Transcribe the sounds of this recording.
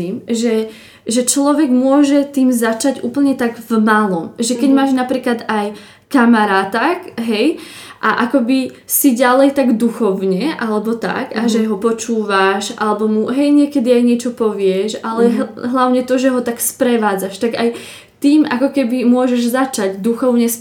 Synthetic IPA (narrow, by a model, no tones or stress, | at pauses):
iːmʒɛ | ʒɛt͡ʃlɔʋɛɡmʊɔʒɛt̪iːmzat͡ʃaɟṵːpl̩ɲɛt̪aɡvmalɔmʒɛkɛɟmaːʒnapɾiːklad̪aj | kamaɾaːt̪akɦɛj | ʔaʔakɔbi | siɟalɛjt̪aɡd̪uxɔʊɲɛʔalɛbɔt̪a̰kaʒɛɦɔpɔt͡ʃuːʋaʃʔa̰lɛbɔmuɦɛjɲɪɛkɛd̪iajɲɪɛt͡ʃɔpɔʋɪɛʒʔalɛɦlaʊɲɛt̪ɔʒɛɦɔt̪akspɾɛʋaːd͡zaʃt̪aɡaj | t̪iːmʔakɔkɛbimʊɔʒɛʒzat͡ʃaɟd̪uxɔʊɲɛs